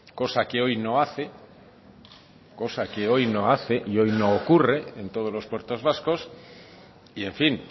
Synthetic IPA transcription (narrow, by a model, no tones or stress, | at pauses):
ko̞sake̞o̞jno̞aθe | ko̞sake̞o̞jno̞aθe̞ʔio̞jno̞ːkure̞ent̪o̞ð̞o̞lo̞spwe̞ɾt̪o̞zβasko̞s | ie̞ɱfin